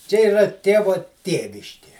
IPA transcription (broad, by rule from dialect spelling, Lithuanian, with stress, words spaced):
t͡ʃʲɛ ɪˈrɐ ˈtʲeːʋoː ˈtʲeːʋʲɪʃʲkʲeː